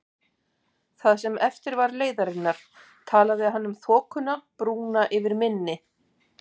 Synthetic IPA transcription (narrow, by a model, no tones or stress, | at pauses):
θaðsɛmɛft̪ɪɾvaɾleːjðaɾɪnːaɾ̥ | t̪ʰaːlaðɪaðɦanːʏmθɔːkʏnapɾuːnaʔɪvɪɾmɪnːɪ